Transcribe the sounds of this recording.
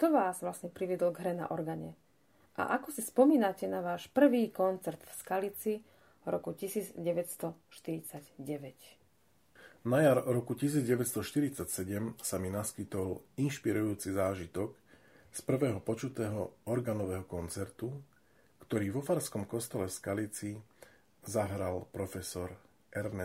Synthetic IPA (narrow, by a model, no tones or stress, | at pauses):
t̪ɔʋaːzʋlasɲɛpɾiʋɪɛd̪lɔɡɦɾɛna̰ʔɔɾɡaɲɛ̰ | ʔa̰ʔakɔsispɔmiːnacɛnaʋaːʃpr̩ʋiːkɔnt͡sɛɾt̪fskalit͡si | ɾɔ̰kucisiːd͡zɟɛʋɛcst̪ɔʃt̪iɾit͡saɟɟɛʋɛc | najaɾɾɔkucis̬iːd͡zɟɛʋɛcst̪ɔʃt̪iɾit͡sacsɛɟɛmsaminaskit̪ɔlinʃpiɾujuːt͡sizaːʒit̪ɔk | spr̩ʋɛːɦɔpɔt͡ʃut̪ɛːɦɔɔɾɡaːnɔʋɛːɦɔkɔnt͡sɛɾt̪u | kt̪ɔɾiːʋɔfaɾskɔmkɔst̪ɛlɛfskalit͡si | zaɦɾalpɾɔfɛsɔɾ | ʔɛɾnɛ